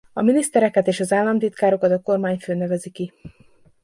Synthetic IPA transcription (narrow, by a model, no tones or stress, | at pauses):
ɒminist̪ɛɾɛkɛt̪eːʃɒzaːlːɒnt̪it̪kaːɾo̞kɒt̪ɒko̞rmaːɲføːnɛvɛziki